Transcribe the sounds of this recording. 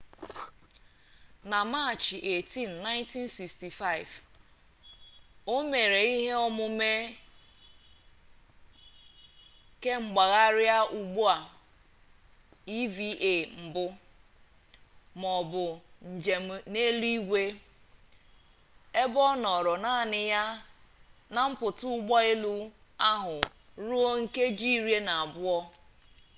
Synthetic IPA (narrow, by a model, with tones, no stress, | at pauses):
na˨ma˦˨t͡ʃi˨ʔe˨ti˦n̩˨na˦ɪ̃˦nti˦nsi˨ksti˨fa˦ɪ˨v | o˦me˨ɾe˨i˦ɦe˦ɔ˦mʊ˦me˦ | ke˦ŋ͡m̩˨ɡ͡ba˨ɣa˦ɾja˦ʔu˨ɡ͡bu˦a˨ | i˦vi˦ʔe˨m̩˨bʊ˦ | mɔ˨bʊ˨n̩˨d͡ʒe˨ne˦li˦i˦ɡʷe˦ | e˦bɔ˦nɔ˨ɾɔ˨na˦˨nɪ˨ja˦ | na˨m̩˦pʊ˨tʊ˦ʊ˦ɡ͡bɔ˦ɪ˦lu˦a˦ɦʊ˨ | ɾu˦o˦ŋ̩˦ke˦d͡ʒi˦˨ɾje˦na˨a˨bʊ˦ɔ˦